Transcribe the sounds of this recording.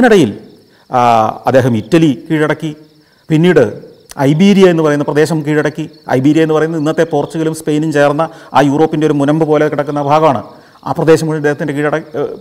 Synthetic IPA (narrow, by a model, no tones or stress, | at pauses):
ɐðiniɽɐjil | ɐd̪ːe̞ːɦɐmitːɐlikiːɻɐɽɐkːi | pinːiːɽɨ | ɐ̰jbiːɾijaenːɨpɐrɐjunːɐprɐd̪e̞ːɕɐmkiːɻɐɽɐkːiɐ̰jbiːɾijajeɨpɐrɐjunɐinːɐt̪ːe̞poːrt͡ɕːuɣɐlumspe̞jnunt͡ɕe̞ːrnːɐa̰ːjuːro̞ːpːindeo̞ɾumunɐmbɨpo̞ːlekiɽɐkːunːaːbʱaːɣɐmaːɳɨ̰ | a̰ːprɐd̪e̞ːɕɐmkiɐd̪eːhɐt̪ːindekiːɻɐɽɐ